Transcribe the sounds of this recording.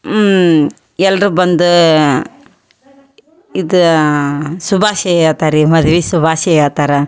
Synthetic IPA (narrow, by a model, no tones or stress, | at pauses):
ɛlːɐɾubɐnd̪u | id̪u | subʱaːʃɛjaːt̪aːɾimɐd̪ʋisubʱaːʃɛjaːt̪aːɾɐ